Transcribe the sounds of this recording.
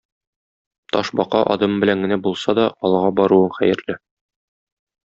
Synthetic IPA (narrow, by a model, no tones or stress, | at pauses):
t̪ɒʃbɒqɑʔɒ̰d̪ɤmbɘ̆læŋɡɘ̆næbulˠsɑd̪ɒɒlˠʁɑbɒɾuɤɴχæjɘ̆ɾlɘ